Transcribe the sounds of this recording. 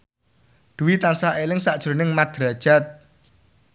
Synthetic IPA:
d̪̥uwit̪ansaɦelɪŋsaʔd̥ʒ̥ɾonɪŋmad̪̥ɾad̥ʒ̥at̪̚

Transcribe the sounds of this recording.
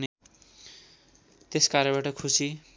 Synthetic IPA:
n | t̪eskaɾʌbaʈʌkʰusi

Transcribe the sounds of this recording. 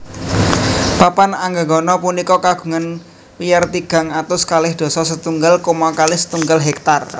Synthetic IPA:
papanaŋɡəɡɔnɔpunikɔkaɡ̥ṳŋan | pijart̪iɡ̥a̤ŋat̪awskalɪhd̪̥ɔ̤sɔsət̪uŋɡəlkomɔkalɪhsə̥t̪uŋɡəlɦɛk̚t̪ar

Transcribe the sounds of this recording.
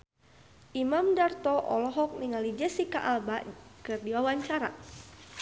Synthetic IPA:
ʔimamdart̪ɔʔɔ̰lɔɦɔk̚niŋalid͡ʒɛsikaʔalbaʔkərdiwawaɲt͡ʃaɾa̰

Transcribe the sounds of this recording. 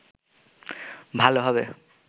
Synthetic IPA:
bʱaloɦɔβɛ

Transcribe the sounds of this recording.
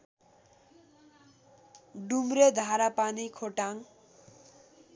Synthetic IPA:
ɖumɾed̪ʱaɾapanikʰoʈaŋ

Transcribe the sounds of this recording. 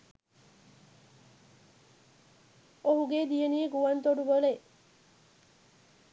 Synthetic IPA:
oɦuɡed̪ijenieɡuʋɐnt̪oɖubole

